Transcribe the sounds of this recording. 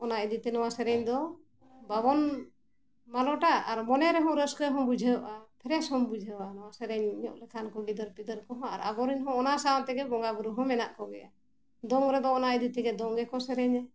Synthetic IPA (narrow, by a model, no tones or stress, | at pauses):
ɔnaɛd̪it̪ɛnɔwasɛɾɛɲd̪ɔ | babɔn | malɔʈaaɾmɔnɛɾɛɦɔ̃ɾəskɛɦɔ̃bud͡ʒʱəʔapʰɛɾɛshɔmbud͡ʒʱəwanɔwasɛɾɛɲɲɔ̰ʔlɛkʰankɔɡid̪əɾpid̪əɾkɔɦɔ̃a̰ɾa̰bɔɾiɲɦɔ̃ːnasaat̪ɛɡɛbɔŋɡabuɾuɦɔ̃mɛnaʔkɔɡɛ̰ʔa̰ | d̪ɔŋɾɛd̪ɔːnaid̪it̪ɛɡɛd̪ɔŋɡɛkɔsɛɾɛɲa